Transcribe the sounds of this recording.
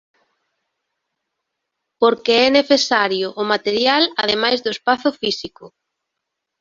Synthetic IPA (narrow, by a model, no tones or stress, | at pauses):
poɾkeɛneθesaɾjʊʔːmat̪eɾjalaðemajzðʊespaθʊfisikʊ